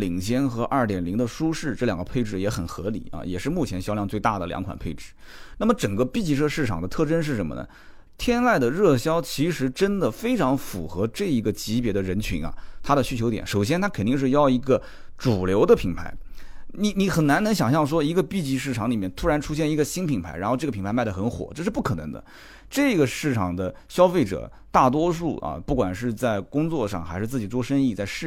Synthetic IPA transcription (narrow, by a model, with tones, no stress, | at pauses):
li˨˩ŋɕjɛ˥nxɤ˧˥ʔɐ˞˥˩t̪jɛ˨˩nli˧˥ŋd̪ə˧ʂu˥ʂɻ̩˥˩ʈ͡ʂɤ˥˩jɑ˨˩ŋɡə˦pʰe˥˧ɪʈ͡ʂɻ̩˥˩jɛ˧˥xə˨˩nxɤ̰˧˥lḭ˨˩˦ɐ̰˧jɛ˨˩ʂɻ̩˥˧mu˥˩t͡ɕʰjɛ˧˥nɕjɑ˥ʊljɑ˥˧ŋt͡swe˥˧ɪt̪a˥˩d̪ə˩ljɑ̰˧˥ŋkʰwa̰˨˩npʰe˥˧ɪʈ͡ʂɻ̩˥˩na˥˩mə˩ʈ͡ʂə˨˩ŋɡə˦pi˥˧t͡ɕi˥˧ʂʰɤ˥˧ʂɻ̩˥˩ʈ͡ʂʰɑ˨˩ŋd̪ə˦t̪ʰɤ˥˩ʈ͡ʂə˥nʂɻ̩˥˩ʂə˧˥nmə̰˧nə̰˩ | t̪ʰjɛ˥nwa˥˩ɪd̪ə˩ɻɤ˥˩ɕjɑ˥ʊt͡ɕʰi˧˥ʂɻ̩˧˥ʈ͡ʂə˥nd̪ə˨fe˥ɪʈ͡ʂʰɑ˧˥ŋfṵ˨˩xɤ˧˥ʈ͡ʂɤ˥˩i˧˥ɡə˧t͡ɕi˧˥pjɛ˧˥d̪ə˧ɻə˧˥nt͡ɕʰy̰˧˥ŋɐ̰˧t̪ʰa˥d̪ə˨ɕy˥t͡ɕʰjo˧˥ʊjɛ̰˨˧˥nʂo˨˩ʊɕjɛ˥nt̪ʰa˥kʰə˨˩nt̪i˥˧ŋʂ̬ɻ̩˥˧jɑ˥˩ʊi˧˥ɡə˧ | ʈ͡ʂu˨˩ljo˧˥ʊd̪ə˧pʰi˧˥ŋpʰa̰˧˥ɪni˧˩˥ni˧˥xə˨˩nna˧˥nɤ˧˥ŋɕjɑ˨˩ŋɕjɑ˥˩ŋʂ̬wɔ˥i˧˥ɡə˧pi˥˧t͡ɕi˥˧ʂ̬ɻ̩˥˩ʈ͡ʂʰɑ˧˥ŋli˨˩mjɛ˥˩nt̪ʰu˥ɻa˧˥nʈ͡ʂʰu˥ɕjɛ˥˩ni˧˥ɡə˧ɕi˥npʰi˧˩˥ŋpʰa̰˧˥ɪɻa˧˥nxo˥˧ʊʈ͡ʂɤ˥˩əpʰi˧˥ŋpʰa˧˥ɪa˥˩ə˩xə˧˥nxwɔ̰˨˩˦ʈ͡ʂɤ˥˧ʂɻ̩˥˧p̬u˥˩kʰɤ˨˩nɤ˧˥ŋd̪ə̰˧ | ʈ͡ʂɤ˥˩˧ɡə˩ʂɻ̩˥˩ʈ͡ʂʰɑ˨˩ŋd̪ə˧ | ɕjɑ˥ʊfe˥˩ɪʈ͡ʂɤ̰˨˩ | t̪a˥˩t̪̬wɔ˥ʂu˥˩ʔɐ̰˨pu˥˩kwa˨˩nʂɻ̩˥˧t͡sa˥˩ɪkʊ˥ŋt͡swɔ˥˧ʂɑ̰˥˩ŋxa˧˥ʂɻ̩˥˧t͡sɹ̩˥˩t͡ɕi˨˩ʈ͡ʂwɔ˥ʂə˥ni˥˧t͡sa˥˧ɪʂɻ̩˥˩